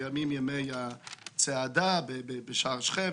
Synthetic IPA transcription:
amimjəmejat͡seadabebebeʃaʁʃχɛ

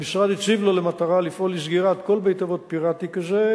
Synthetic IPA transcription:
misʁad̪it͡sivlolemat̪aʁalifʔo̞lis̬ɡiʁat̪ko̞lbejt̪avot̪̚piʁat̪ikaze

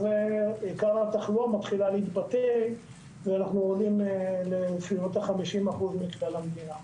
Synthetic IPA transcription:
zeikaʁhat̪aχluamat̪χilaleit̪bat̪ej | veanaχnuolimlefilot̪aχamiʃimaχuzmiklelamd̪ina

